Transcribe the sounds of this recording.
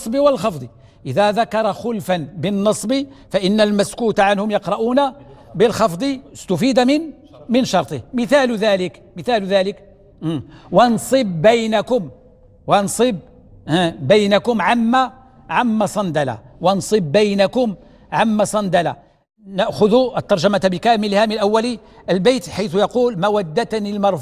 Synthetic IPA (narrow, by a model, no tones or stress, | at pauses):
sˤbiwəlxɑfd̪ˤi | ʔəðæðakɑɾˤɑxʊlfanbənːɑsˤbi | faʔɪnːalmæskuːt̪aʕanhʊmjɑqɾˤɑʔuːna | bəlxɑfd̪ˤist̪ʊfid̪amɪn | mənʃɑɾˤt̪ˤəhməθælðæləkməθælðælək | ʔwɑnsˤɨbːæjnakʊm | wɑnsˤɨb̚ | bæjnakʊmʕamːa | ʕamːɑsˤɑnd̪ala̰wɑnsˤɨb̚ːəjnakʊm | ʕamːæsˤɑnd̪ala | naʔxʊðʊʔət̪ːɑɾˤʒamat̪bəkæməlihaməlʔæwːæli | ʔəlbæjt̪ħajt̪ʊjɑquːlmæwæd̪ːat̪nilmɑɾˤf